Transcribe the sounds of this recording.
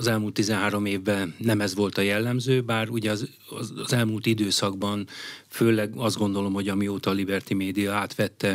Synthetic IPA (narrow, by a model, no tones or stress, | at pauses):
ɒzɛlmult̪ːizɛnɦaːɾo̞meːvːɛlnɛmɛzʋo̞lt̪ɒjɛlːɛmzøːbaːruɟɛɒz | zɛlmuːlt̪id̪øːsɒɡbɒnføːlɛɡɒzd̪ɡo̞nd̪o̞lo̞mɦo̞ɟɒmioːt̪ɒːlibɛrt̪imeːd̪ijɒaːt̪ʋɛt̪ːɛ